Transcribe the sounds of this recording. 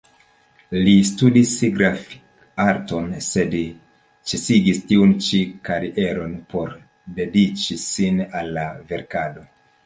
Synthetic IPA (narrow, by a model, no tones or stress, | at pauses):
listudisiɡɾaf | aɾto̞nse̞d | t͡ʃesiɡistiunt͡ʃikaɾiʔe̞ɾo̞npo̞ɾ | de̞dit͡ʃisinalːave̞ɾkado̞